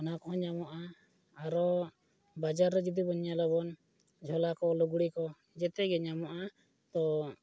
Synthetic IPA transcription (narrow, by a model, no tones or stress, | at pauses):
ɔnakɔɦɔ̃ɲamɔʔa | aɾɔ | bad͡ʒaɾːɛd͡ʒid̪ibɔɲalɔbɔn | d͡ʒʱɔlakɔluɡuɽikɔ | d͡ʒɛt̪ɛɡɛɲamɔʔa | t̪ɔ